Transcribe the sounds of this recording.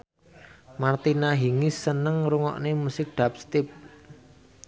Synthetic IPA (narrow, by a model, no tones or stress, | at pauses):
mart̪inaɦiŋisənəŋɾuŋɔ̰ʔnemusɪk̚ɖ̪̥a̤p̚st̪ɪp̚